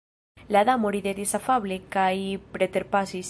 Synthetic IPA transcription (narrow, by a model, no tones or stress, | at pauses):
laðamoɾiðeðesafaβlekajpɾet̪eɾpasis